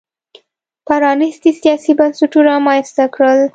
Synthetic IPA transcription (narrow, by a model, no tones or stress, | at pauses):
paɾɑnɪst̪isijɑsibansuʈunamɑjast̪akɽəl